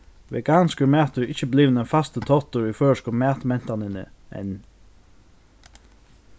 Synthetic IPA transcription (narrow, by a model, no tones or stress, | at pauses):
ʋḛɡaːnskəɾmæːt̪əɹɪçəbliːʋnɛnfast̪ət̪ʰɔt̪əɹiføːɹəskɔːmæːt̪mɛn̥t̪anɪnə̰ɛ̰n